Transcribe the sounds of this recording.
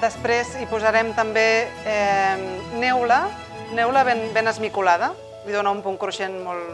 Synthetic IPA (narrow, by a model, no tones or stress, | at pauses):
d̪əspɾezipuzaɾɛmt̪əmbeɛmnɛwlə | nɛwləβenbenəzmikulað̞ə | iðonaumpuŋkɾuʃenmɔlˠ